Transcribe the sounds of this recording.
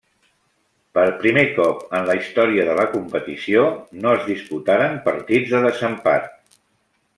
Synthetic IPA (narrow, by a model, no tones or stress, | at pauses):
pəɾpɾimekɔpənləist̪ɔɾiəðələkumpət̪isionoəzðisput̪aɾəmpəɾt̪id͡zðəðəzəmpa̰t̪̚